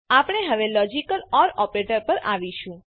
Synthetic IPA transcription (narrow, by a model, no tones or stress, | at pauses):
apəɳ̃eɦəʋelɔd͡ʒikəlɔɾɔpɾeʈəɾpəɾa̰ʋiʃũ